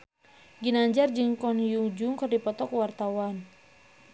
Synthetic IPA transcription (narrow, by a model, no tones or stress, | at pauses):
ɡinaɲd͡ʒard͡ʒɨŋkɔnjuŋd͡ʒuŋkɨrdipɔt̪ɔkwart̪awan